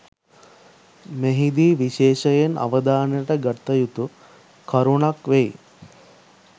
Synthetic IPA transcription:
meɦid̪iːʋiʃeːʃəjenʔa̰ʋəd̪aːnəjəʈəɡət̪ːəjut̪u | kʰɐɾuɳakʋej

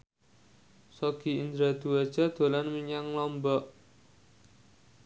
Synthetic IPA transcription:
sɔɡ̥i̤ind̪ɾad̪̥ṳḁd͡ʒ̥a̤d̪̥o̤lanmiɲaŋlɔmbɔʔ

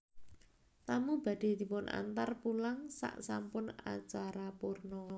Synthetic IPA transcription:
t̪amub̥ä̤d̥e̤d̪i̤pʊnʔa̰nt̪arpulaŋsa̰ʔsampʊna̰t͡ʃaɾapurnɔ

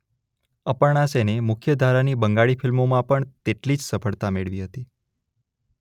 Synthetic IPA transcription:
əpəɳ̃asenemʊkʰjəd̪ʱaɾanibəŋɡaɭifɪlmomãpəɳt̪eʈlid͡ʒsəpʰəɭt̪ameɭʋiɦət̪i

